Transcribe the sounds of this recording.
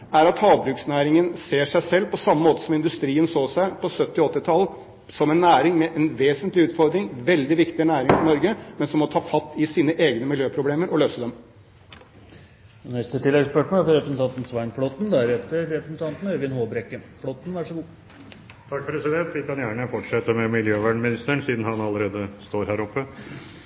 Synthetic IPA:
æɾɑt̪hɑːʋbɾʉːksnæːɾɪŋənseːʂæɪsɛlːpʰɔsɑmːəmoːt̪ə̥sɔmɪnd̪ʉst̪ɾiːənsoːsæɪpʰɔsœt̪ːɪɔt̪ːət̪ʰɑlːə | sɔmɛnːæːɾɪŋmɛʔɛnʋeːsənt̪lɪʉːt̪fɔɾd̪ɾɪŋʋɛld̪ɪʋɪkt̪ɪnæːɾɪŋfɔɾnɔɾɡəmɛnsɔmːɔt̪ʰɑːfɑt̪ːɪsiːnəʔeːɡnəmɪljøːpʰɾʊbleːməɾɔløːsəd̪ɛm | nɛst̪ət̪ʰɪlːɛɡspœʈɳ̩æɾfɔɾɛpɾəsn̩t̪ɑnt̪n̩sʋæɪnfɽɔt̪n̩d̪æɾɛt̪ːəɾːɛpɾəsn̩t̪ʰɑnt̪n̩øɾʋɪnhoːbɾɛkːəfɽɔt̪ːn̩ʋæʂɔɡuː | t̪ʰɑk̚ːpʰɾɛsɪd̪ɛnt̪ʋɪkʰɑnjæːɳəfɔʈʂɛt̪ːəmɛmɪljøːʋæːɳmɪnɪst̪əɳsiːd̪nhɑnɑlːəɾeːd̪əst̪oːɾhæːɾɔpːə

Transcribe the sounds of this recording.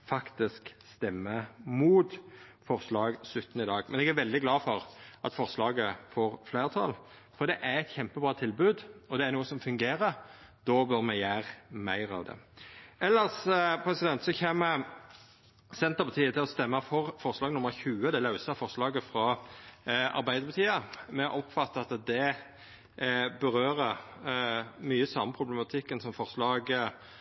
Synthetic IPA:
fɑkt̪ɪskst̪ɛmːəmuːt̪fɔʁslɑːɡsʉt̪ːnəɪd̪ɑːɡmɛnɛɡæɾʋɛld̪ɪɡlɑːfɔʁʔɑt̪fɔʁslɑːɡəfoːʁfleːʁt̪ʰɑ̰l | fɔɾd̪ɛʔæɾɛɪt̪çɛmpəbʁɑːt̪ʰɪlbʉːd̪ɔd̪ɛæɾnuːəsɔmfʉŋɡeːɾəɾd̪̥obœʁmɛjæːʁmæ̰ɪʁɑ̰ʋd̪ɛ̰ɛlːəʁspʰɾɛsɪd̪ɛnt̪sɔçeːmːə | sɛnt̪əɾpɑt̪ʰiːət̪ɪlɔst̪ɛmːɑfɔʁfɔʁslɑːɡnʊmːəɾçʉːəd̪ɛlɑʉsɑfɔʁslɑːɡəfʁɑ | ɑ̰ɾbæɪd̪əɾpʰɑt̪ʰiːəmɛʔɔpfɑt̪ːəɑt̪d̪ɛ | bəɾøːɾə | myːəsɑmːəpʰʁʊblɛmɑt̪ʰɪkːənsɔmfɔʁslɑːɡ

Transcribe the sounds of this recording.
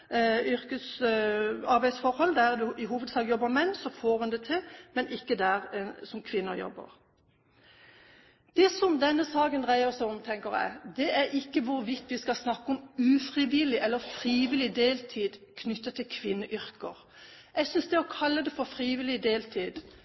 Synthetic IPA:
ʏɾkəs | ɑɾbæɪd̪sfɔɾhɔlːd̪æʁd̪ʉɪɦuːʋəd̪sɑːɡəjɔbːəmɛnːsɔfoːʁʉnd̪ɛt̪ʰɪlmɛnʔɪkːəd̪æʁsɔmkʰʋɪnːəɾjɔ̰bːə̰ʁ | d̪̥ɛsɔmd̪ɛnːəsɑːɡənd̪ʁæɪəɾsɔʊmt̪ʰɛŋkəɾjɛ̰ɪd̪ɛʔæɾɪkːəʋʊɾʋɪt̪ːʋɪskɑlsnɑkːəɔmʉfʁɪʋɪlɪʔɛlːəɾfɾiːʋɪlɪd̪eːlt̪ʰiːd̪kʰnʏt̪ːət̪ʰɪlkʰʋɪnːəʔʏɾkəʁ | ɛɡsʏnsd̪ɛɔkʰɑlːəd̪ɛfɔɾfʁiːʋɪlɪd̪eːlt̪ʰiːd̪

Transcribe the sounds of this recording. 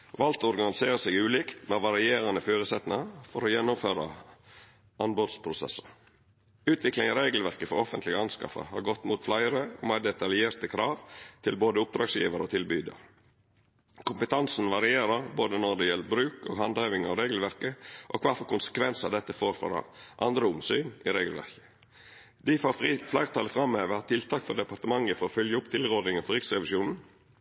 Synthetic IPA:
ʋɑlt̪ɔɾɡɑnɪseːɾəsɛɡʉːliːkt̪mɛʋɑɾɪeːɾɑnəføːɾəsɛt̪nɪŋɑfɔɾɔjɛnːʊmføːɾɑ̰ | ʔɑnbod̪spʰɾʊsɛ̰sə̥ | ʉːt̪ʰʋɪklɪŋɑɾeːɡlʋæɾkəfɔɾɔfənt̪lɪɡəɑnskɑ̰fə̰hɑɾɡɔt̪ːmuːt̪flæɪəɾəo̰mæɖ̪ɛt̪ɑljeːɾt̪əkʰɾɑːʋt̪ʰɪlboːd̪əʊp̚d̪ɾɑːɡsjḭːʋəɾəoːt̪ʰɪlbyːd̪ə̰ɾ | kʰʊmpət̪ʰɑnsn̩ʋɑɾɪeːɾəɾboːd̪ənɔɾd̪ɛjɛlːəbɾʉːkoːɡɦɑnd̪hɑɪʋɪŋɑ̰ʋɾeːɡl̩ʋæɾkəʔɔkʰʋæɾfɔɾkʊnsə̥kʰʋɛnsəd̪ɛt̪ːəfoːɾfɔ̰ɾɛ̰ʔɑ̰nd̪ɾəʊmsyːnɪ̰ɾeːɡəl̩ʋæ̰ɾkə̥ | d̪̥ɪfɑflæɪʁt̪ʰɑːləfɾɑmeːʋəhɑt̪ʰɪlt̪ʰɑːkfɔɾd̪ɛpɑɾt̪əmɑŋːəfɔɾɔfœljəʊpt̪ʰɪlʁod̪ɪŋəfɔɾɪksɾɛʋɪʃuːnn̩

